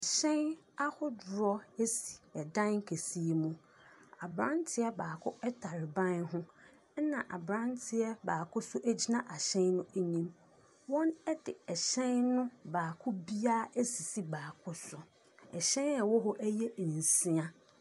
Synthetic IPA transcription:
a˨ɕɛ̃˦n | a˦hʊ˦dʊ˨ɾɔ˦e˦si̥˨ɛ˨dã˦nŋ̩˦kʰe˨si˦e˨mũ˨ | a˨bɾã˦n˦tʰɪ˦ɛ˦baː˨kʰʊ˦ɛ˦tʰa˨ɾɪ˨bã˦nɦʊ̃˦ | nã˨ʔa̰˨bɾã˦ntʰɪ˨ɛ˦baː˨kʰʊ˦sʊ˦ʔæ˦d͡ʑi˦nã˦ʔa˨ɕɛ̃˦nːʊ̃˦æ˦ɲĩ˦m | wɔ̃˦nɛ˦dɪ˨ɛ˨ɕɛ̃˦nːʊ̃˦baː˨kʰʊ˦bi˦a˦e˦si˨si˦baː˨kʰʊ˦sʊ˨ | ɛ˨ɕɛ̃˦na˨wɔ˦ɦɔ˦ʔæ˦jɛ˦˨n̩˨si˦a˦

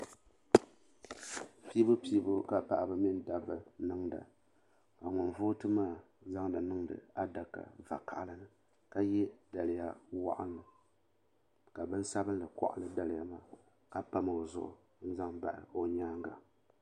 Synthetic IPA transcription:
pi˦bɨ˦piː˦bʊ˦ka˨pa˨ʔbɨ˦mi˦nda˨bɨ˨nɨ˦ŋda̰˨ | ka˨ŋɔ˨nvoː˦tɨ˦maː˦˨ | za˦ŋda˨nɨ˦ŋdɨ̰˨a˦da˨ka̰˨va̰˨ka˨ʔlɨ˦nɨ˦ | ka˦jɛ˦da˨lɪ˨ja˦wa̰˦ʔa̰˦n˦lɨ˨ | ka˨bɨ˦n˦sa˦bɨ˦nlɨ˨kɔ̰˨ʔa̰˦lɨ˦da˨lɪ˨ja˦maː˦˨ | ka˦pa˦m˨o˨zʊ̰˨ʔʊ̰˨ | n̩˦za˦ŋba̰˨ʔɨ̰˨o˦ɲaː˦ŋɡa˨

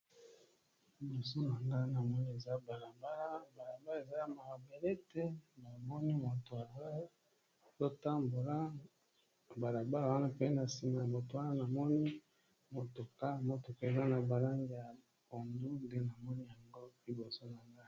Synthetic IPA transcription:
i˦bo˨so˦na˨ŋɡa˦˨na˨mɔ˦ni˦e˨za˦ba˨la˨ba˦la˦ba˨la˨ba˦le˨za˦ja˨ma˨a˨be˨le˦tɛ˦na˨mɔ˦ni˦mo˨to˨a˨za˦ | zo˦ta˦mbo˨la˦ | ba˨la˨ba˦la˨wa˦na˦pe˦na˨si˨ma˨a˨mo˨to˨wa˦na˦na˨mɔ˦ni˦ | mo˨to˨ka˦˨mo˨to˨ka˦e˨za˦na˨ba˨la˦ŋɡi˦˨ja˨ | ko˨ndu˦nde˦na˨mɔ˦ni˦ja˨ŋɡo˦i˦bo˨so˦na˨ŋɡa˦

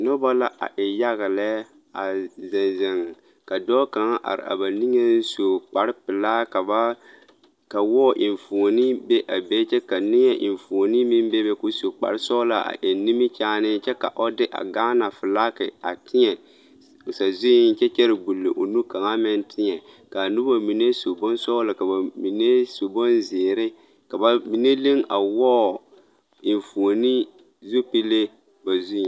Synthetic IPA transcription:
nɔ˦ba˦la˦ʔa̰˨ʔɪ˨ja˦ɣɪ˨lɛ˦ | a˨zɪ˨nzɪ˨ŋ˨ | ka˨dɔː˦ka˨ŋa˦ʔa̰˨ɾɪ̰˨a̰˨ba˨ni˦ŋe˦n˦so˨k͡pa˨ɾɪ˦pɪ˨laː˦ka˨ba˦ | ka˨wɔː˦ʔɪ˨ɱ˨fo˨ni˦be˦ʔa˨be˦t͡ʃɛ˦ka˨nɪ˦ŋɛ˦ʔɪ̰˨n˨fo˨ni˦mi˦m˦bɛ˦bɛ˦kʊ˦so˨k͡pa̰˨ɾɪ˦sɔ˦la˦a̰˨ʔe˨ni˦mi˦t͡ʃaː˦nɪ˦t͡ʃɛ˦ka̰˨ʔɔ˦dɪ˦ʔa̰˨ɡaː˦na˨fɪ˨la˦kɪ˨a̰˨tɪ˦ɲɛ˨ | ʊ˨sa˨zʊ˦n̩˦t͡ʃɛ˦t͡ʃɛ˦ɾɪ˨ɡu˨lːe˨ʔo˨nu˦ka˨ŋa˦mɪ˦ntʰɪ˦ɲɛ˨ | ka˨nu˦ba˨mi˨ne˦so˨bɔ˦nsɔ˦la˨ka˨ba˨mi˨ne˦so˨bɔ˦nzɪː˨ɾɪ˦ | ka˨ba˨mi˨ne˦le˦ŋa˨wɔː˦˨ | ɪ˨ɱ˨fo˨ni˦ | zo˦pi˦le˦ | ba˨zu˦ĩ˨

